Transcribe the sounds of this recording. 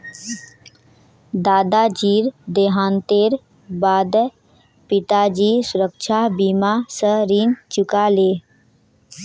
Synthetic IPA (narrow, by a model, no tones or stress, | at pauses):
d̪aːd̪ad͡ʒiːɾd̪eːɦãːnt̪eːɾ | baːd̪ | pɪt̪ad͡ʒiːsʊɾəkʃʰabimasəɾiːnt͡ʃʊkaleː